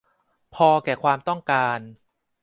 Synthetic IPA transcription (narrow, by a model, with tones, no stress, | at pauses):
pʰɔː˧kɛː˨˩kʰwaː˧mt̪ɔ˥˩ŋkaː˧n